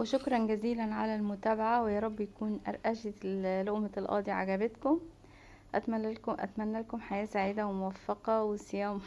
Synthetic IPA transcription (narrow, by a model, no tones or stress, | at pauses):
weʃʊkɾˤɑnɡæziːlænʕa̰lælmʊt̪æːbaʕawejɑːɾˤɑbːjækuːnʔɑ̰ɾˤʔæʃeloʔmalʔɑ̰ːd̪iʕa̰ɡæbet̪kʊm | ʔæt̪mæælkʔæ̰t̪mænːælkomħajæːsaʕiːd̪æwemowæfːɑqɑwesejæːm